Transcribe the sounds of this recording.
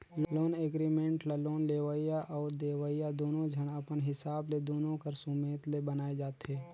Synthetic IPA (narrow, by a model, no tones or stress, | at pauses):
lloːneːɡɾimẽːɳʈlaloːnleːʋaijaʔɔːɾd̪eːʋaːijad̪oːnõd͡ʒʱɐnəpənɦɪsaːbled̪oːnõkəɾsʊmeːt̪lebənaːed͡ʒaːt̪ɦeː